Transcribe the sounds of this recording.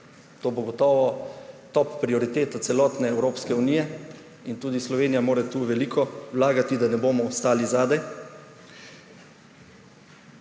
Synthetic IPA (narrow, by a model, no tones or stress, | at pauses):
t̪oːboɡɔt̪ɔːʋɔt̪ɔpːɾiɔɾit̪eːt̪at̪sɛlɔːt̪nɛːwɾoːpskɛuniːjɛ | int̪uːd̪islɔʋeːnijamoːɾɛt̪uːʋɛliːkʰɔwlaːɡat̪id̪anɛboːmɔːst̪aːlizaːd̪ɛj